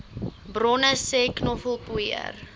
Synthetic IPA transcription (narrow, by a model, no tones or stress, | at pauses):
brɔnəseːknɔfəlˠpuiə̰r